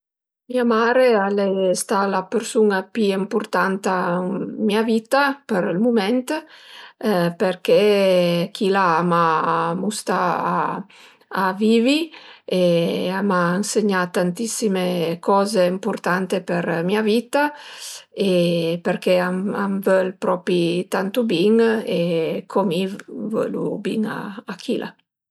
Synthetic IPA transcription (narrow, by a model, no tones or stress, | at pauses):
miamaːɾealest̪alapeɾsuŋapiempurt̪ant̪amiavit̪apeɾilmumɛnt̪ | perkek̟ʰilaamamust̪aaː | viːvieamaanseɲat̪ːant̪isimekʰɔːzeimpuɾt̪ant̪epeɾmiavit̪a | epeɾkeama̰mvølpɾɔpɾit̪ant̪ubiŋekʰomivø̰lṵbḭŋa̰akʰilʔa̰